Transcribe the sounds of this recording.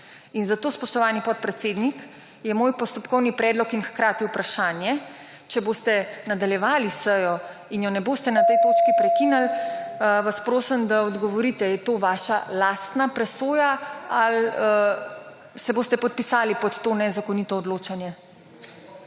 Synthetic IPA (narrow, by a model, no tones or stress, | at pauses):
inzat̪oːspɔʃt̪ɔʋaːnipɔt̪̚pɾɛt̪seːd̪nik | jɛmoːjpɔst̪ɔpkɔwnipɾɛːd̪lɔkinxkɾaːt̪iupɾaʃaːnjɛ | t͡ʃɛboːst̪ɛnad̪aljɛʋaːlisəjɔ | injɔnɛboːst̪ɛnat̪ɛjt̪oːt͡ʃkipɾɛkinal | ʋaspɾoːsəmd̪aɔd̪ɡɔʋɔɾit̪ɛjɛt̪oːʋaːʃalaːst̪napɾɛsoːjaal | sɛboːst̪ɛpɔt̪̚pisaːlipɔt̪ːoːnɛzakɔnit̪ɔːd̪loːt͡ʃanjɛ